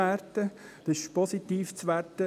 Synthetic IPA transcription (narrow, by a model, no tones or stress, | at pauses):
ærtəd̪̥əsɪʃpɔsit̪iːft͡sʋærtə